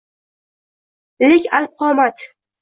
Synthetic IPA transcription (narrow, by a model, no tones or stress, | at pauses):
lɪkʲalp̚qʰɑːmat̪